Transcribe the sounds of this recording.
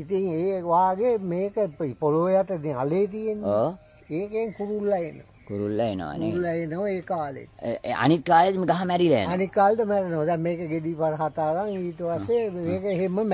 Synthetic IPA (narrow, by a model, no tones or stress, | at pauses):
it̪iŋeːʋaːɡemeːkəpipoloːjaʈəd̪ialeːt̪ijenːoː | eːkeːŋkuɾulːɐeno̰ | kuɾulːaḛno̰ʋa̰nueulaenoʋeːkaːlḛt̪ːa̰nit̪̚kaːled̪meɡaɦamæɾila̰anit̪kaːletəmæɾenoʋd̪ɛmmeːkəɡed̪iːpaɾəɦat̪aːkaŋiːt̪əʋasemeːkəeɦemːəm